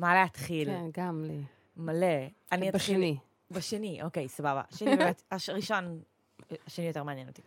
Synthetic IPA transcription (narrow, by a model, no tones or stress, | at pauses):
maleat̪χilɡamli | male | aniaχini | baʃeniʔo̞kejsababa̰ʃenibemetaʃʁiʃo̞n | aʃenijote̞ʁmeanjenoti̥